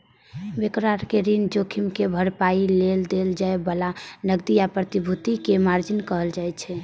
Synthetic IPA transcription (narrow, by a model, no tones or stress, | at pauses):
bekɾaɾkeɾind͡ʒokʰimkebʱəɾpaileld̪eld͡ʒaebəlanəɡd̪iapɾət̪ibʱut̪ikemaɾd͡ʒinkəɦəld͡ʒajt͡ʃʰɛ